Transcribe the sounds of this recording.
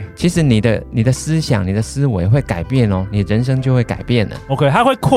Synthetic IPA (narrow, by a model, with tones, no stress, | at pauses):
t͡ɕʰi˧˥ʂɻ̩˧˥ni˨˩d̪ə˦ni˨˩d̪ə˦sɹ̩˥ɕjɑ̰˨˩ŋni˨˩d̪ə˦sɹ̩˥we˧˦ɪxwe˥˩ɪka˨˩ɪpjɛ˥˨nlɔ˨ni˨˩d̪ə˦ɻə˧˦nʂɤ˥ŋt͡ɕjo˥˧ʊxwe˥˩ɪka̰˨˩ɪpjɛ˥˨˩nlə̰˩o˧kʰe˧ɪt̪ʰa˦˥xwe˥˨ɪkʰ